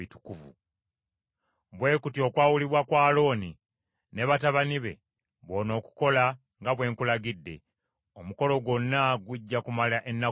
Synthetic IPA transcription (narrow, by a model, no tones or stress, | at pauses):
itu̥kuvṵ | βwe̞ːkutio̞kwaːwuliβwakwaːlo̞ːni | ne̞βataβaniβe̞̰ | βo̞no̞ːku̥ko̞la | ŋɡaβwe̞ːŋkulaɡidːe̞̰ | omuko̞lo̞ɡwo̞nːaɡwuɟːakumalaʔenːa